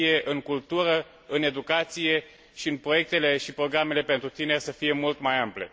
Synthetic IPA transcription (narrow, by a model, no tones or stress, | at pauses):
ije̞ʔɨŋkult̪uɾə | ɨne̞d̪ukat̪sije̞ | ʃiɨnpɾo̞je̞k̚t̪e̞le̞ʃipɾo̞ɡɾame̞le̞pe̞nt̪ɾut̪ine̞rʲsəfije̞mult̪majample̞̰